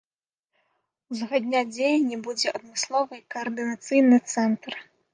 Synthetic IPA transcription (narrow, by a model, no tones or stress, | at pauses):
uzɣad̪ʲnʲad͡zʲejɐnʲːibud͡zʲɛɐd̪mɨslˠɔvɨkɐɐrd̪ɨnat̪sɨjnɨt̪sɛnt̪r